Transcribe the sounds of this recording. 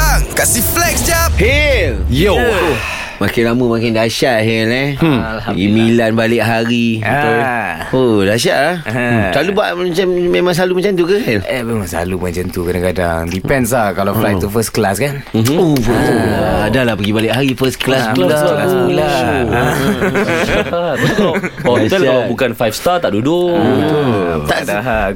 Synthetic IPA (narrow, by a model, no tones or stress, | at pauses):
ŋkasiflɛksd͡ʒap̚helj | makɪnlaməmakɪndaʃaʔɦɛlɛ | pəɡimĩlanbalɪʔk̚ɦaɾi | odaʃ̬aʔlahsalubaʔmat͡ʃammemãŋs̬alumat͡ʃant̪ukakanɛmemãŋsa̰lumant͡ʃant̪ukadaŋkada̰ŋdipɛns̬lakalaflaj̚t̪ufəsklaskan | ɦof | adalapəɡibalɪʔkɦaɾifəsklasəlasbaula | a | ɔtɛkalabukanfajfst̪at̪aʔdudʊ | t̪aʔda